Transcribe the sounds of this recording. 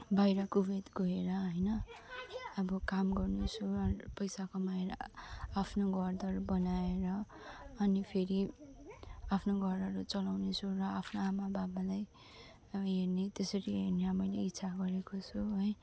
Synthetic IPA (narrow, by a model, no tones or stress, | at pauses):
bajɾʌkubet̪ɡʱoeɾʌɦʌjnʌ | ʌbʌkamɡʌrnot͡sʰuʌpʌjsakomaeɾapʰnoɡʱʌrd̪ʌrbʌnaeɾʌː | nipʰeɾi | apʰnoɡʱʌɾʌɾut͡sʌlawnet͡sʰuɾʌapʰnoamababalaj | ɦernet̪esʌɾiɦeɾneɾʌmʌjleit̪ːsʰaɡʌɾekot͡sʰuɦʌj